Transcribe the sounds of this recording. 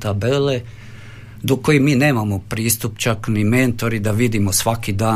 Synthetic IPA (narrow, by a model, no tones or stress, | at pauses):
t̪abele̞ | d̪oko̞jemiːne̞ːmamopɾiːst̪upt͡ʃakniment̪o̞ɾid̪aʋid̪imosʋakid̪aː